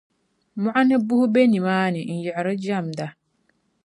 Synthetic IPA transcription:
mʊ˨ʔa˦nɛ˦bu˦hu˦be˦ni˨maː˦nɪ˨n̩˨jɛ˨ʔɾɛ˦d͡ʒa˦˨mda˨

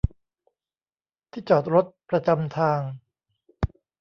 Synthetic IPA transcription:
t̪ʰiː˥˩t͡ɕɔː˨˩t̪̚ɾo˦˥t̪̚pɾa˧t͡ɕa˧mt̪ʰaː˧ŋ

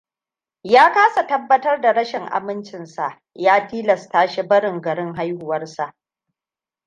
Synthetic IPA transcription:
jaː˦kaː˦sa˨tɐ˦bːɐ˦tɐ˦rda˨ɽɐ˦ʃɪ˨ŋʔa̰˨mɪ˦nt͡ʃɪ˨nsa˨ʔ | jaː˦tiː˦lɐ˨staː˦ʃi˦bɐ˦ɾɪ˨ŋɡɐ˨ɽɪ˦ŋɦa˦jhʊ˨wɐ˦rsa˨ʔ

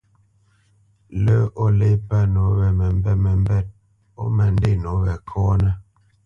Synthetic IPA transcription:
lə˦ɔ˦le˦pa˦˨no˨˦βɛ˨mɛ˨m˦bɛ˦mɛ˨m˦bɛ˦˨t̚ | ɔ̰˦mɛ˨n˦de˦˨no˨˦βɛ˨kʰɔ˦nɛ˦

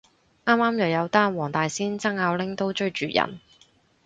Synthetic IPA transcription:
ʔaː˥mːaː˥mjɐ˨wjɐ˨˧wt̪aː˥nwɔː˨˩ŋt̪aː˨jsiː˥nt͡sɐ˥ŋaː˨˧wlɪ˥ŋt̪o˥wt͡ʃɵ˥ɥt͡ʃyː˨jɐ̰˨˩n

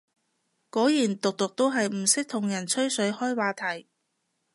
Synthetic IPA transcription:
kɔː˨˥jiː˨˩nt̪ʊ˨k̚t̪ʊ˨k̚t̪o˥wɦɐ˨jm̩˨˩sɪ˥k̚t̪ʰʊ˨˩ŋjɐ˨˩nt͡ʃʰɵ˥ɥsɵ˨˥ɥhɔː˥jwaː˨˧t̪ʰɐ˨˩j

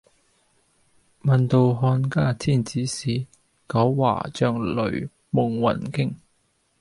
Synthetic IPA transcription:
mɐ˨nt̪o˧wɦɔː˧nkaː˥˩tʰiː˥˩nt͡siː˨˥siː˨˥ | kɐ˨˥wwa̰ː˨˩t͡ʃœː˨˧ŋlɵ̰˨˩ɥ | mʊ˨ŋwɐ̰˨˩nkɪ˥ŋ

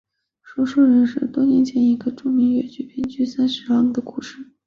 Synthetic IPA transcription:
ʂo˥ʂo˥˧ʊɻə˧˥nʂɻ̩˥˩t̪wɔ˥nɛ˧˥nt͡ɕjɛ˥˩ni˧˥ɡə˧ʈ͡ʂu˥˩ŋmi˧˥ŋɥɛ̰˨˩t͡ɕy˥pji˥nt͡ɕy˥sa˥nʂɻ̩˧˥lɑ˥ŋd̪ə˨ku˥˩ʂɻ̩˥˩

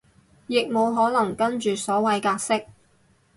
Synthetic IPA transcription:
jɪ˨k̚mo˨˧wɦɔː˨˥lɐ˨˩ŋkɐ˥nt͡ʃyː˨sɔː˨˥wɐ˨˧jkaː˧k̚sɪ˥k̚

